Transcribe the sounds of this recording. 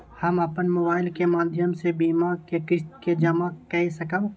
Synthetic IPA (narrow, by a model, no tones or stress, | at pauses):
hɐmɐpənmoːbaːɪlkemaːd̪ʱjəmsebiːmakekɪʃt̪ked͡ʒɐmakɛɦisɐkəõ